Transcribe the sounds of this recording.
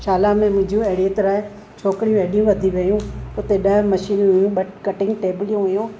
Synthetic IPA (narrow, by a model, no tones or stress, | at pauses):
ʃaːlamẽmʊ̃ɦɪ̃ɲd͡ʑũɐɦɪɽiːt̪ɐɾaːe | t͡ɕʰoːkɽijũɐɦɗijũʋɐd̪ʱiʋɐjũʊt̪eɗɐɦmɐʃiːnɦʊjũɓɐʈkɐʈɪ̃ŋɡʈeːbɪlijũɦʊjũː